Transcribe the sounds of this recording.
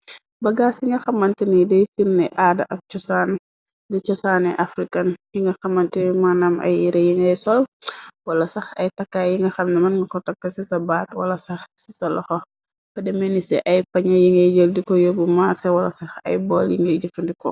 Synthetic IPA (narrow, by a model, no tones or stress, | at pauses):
bɐɡaːsiŋɡɐxɐmːɐntinidɛjfirnɛʔadɐʔɐk̚t͡ʃɔsaːn | dɛt͡ʃɔsanɛʔafɾikɐnjiŋɡɐxɐmɐntimanamɐ̰jiɾɛjiŋɡɐjsɔlwɐlɐsɐxɐ̰jtɐkːajiŋɡɐxɐmnɐmɐnŋɡɐkɔtɐkːɐsisɐbaːtwɐ̰lɐsɐxsi̥sɐlɔxɔ | fɐdɛmɛnisɛ̰ʔɐjpɐɲɔjiŋɡɐjd͡ʒəldikɔjobumasɛwɐlɐ̰sɐxɐ̰jbɔːljiŋɡɐjd͡ʒɐfɐndikɔ̰